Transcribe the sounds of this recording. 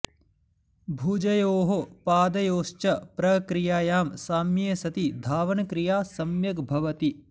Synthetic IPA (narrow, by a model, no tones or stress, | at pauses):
bʱuːd͡ʒɐjoːɦopaːd̪ɐjoːʃt͡ʃɐpɾɐkɾijaːjaːmsaːmjeːsɐt̪id̪ʱaːʋɐnɐkɾijaːsɐmjɐɡbʱɐʋɐt̪i